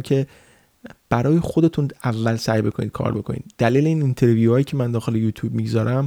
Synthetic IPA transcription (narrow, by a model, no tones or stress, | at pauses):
mcʰe̞ | b̥æɾɒːjexod̪e̞t̪ʰunævːælsæjbe̞kʰo̞niːd̪̥̚kʰɒ̰ːɾbe̞kʰo̞nḭːd̪d̪̥æliːleiːnint̪ʰeɾvijuhɒːjiːcʰe̞mænd̪ɒːxe̞lejuːt̪ʰjuːb̚miɡzɒːɾæm